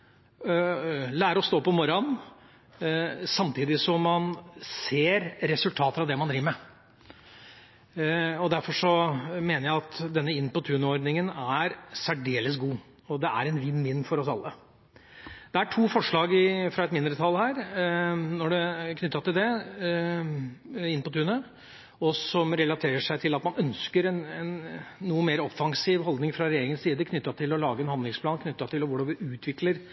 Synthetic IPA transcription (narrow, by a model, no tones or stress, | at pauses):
læːɾəɔst̪oːpɔmɔɾɔn | sɑmt̪ʰiːd̪ɪsɔmːɑnseːɾɾɛsʉlt̪ʰɑːt̪əɾɑʋd̪ɛmɑnd̪ɾiːʋəmɛ | ɔd̪æɾfɔʂɔmeːnəɾjæɪɑt̪d̪ɛnːəɪnːpɔt̪ʰʉːnɔɾɖ̪nɪŋənæɾsæɖeːləs̬ɡuː | ɔd̪ɛʔæ̰ɾɛnʋɪnːmɪnːfɔɾɔsɑ̰lːə | d̪ɛæʈʰuːfɔʂɭɑːɡɪfɾɑɛt̪mɪnd̪ɾət̪ʰɑlhæːɾ | nɔɖɛkʰnʏt̪ːɑt̪ɪld̪ɛ | ɪnpɔt̪ʰʉːnə | ɔsɔmɾɛlɑt̪ʰeːɾəʂæɪt̪ʰɪlɑt̪mɑnœnskəɾɛnɛnːuːəmeːɾɔfːɑŋsiːʋɦɔld̪nɪŋfɾɑɾɛjeːɾɪŋənsiːd̪əkʰnʏt̪ːɑt̪ʰɪlɔlɑːɡəɛːnhɑnd̪lɪŋspʰlɑːnkʰnʏt̪ːɑt̪ʰɪlɔʋʊɖɑʋɪʔʉːt̪ʰʋɪkləɾ